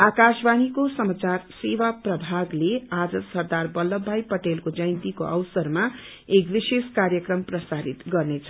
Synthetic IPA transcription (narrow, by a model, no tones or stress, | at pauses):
akasbanikosʌmat͡sarsewaprʌbʱaɡlead͡zʌsʌrd̪arbʌlːʌbʱːajpʌʈelkod͡zʌjnt̪ikoʔʌwsʌrma | ekbiseskaɾjʌkrʌmprʌsaɾit̪ɡʌrnet͡sʰʌ